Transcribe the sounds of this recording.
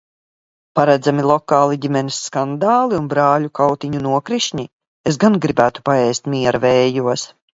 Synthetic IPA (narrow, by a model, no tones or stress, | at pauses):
paɾad̪zamilˠɔkaːlˠiɟʲimɛnisːkand̪aːlˠiunbɾaːlʲukawt̪iɲunuɔkɾiʃɲi | esɡanɡɾibæːt̪u̥paɛːst̪mʲiɛɾavɛːjuɔs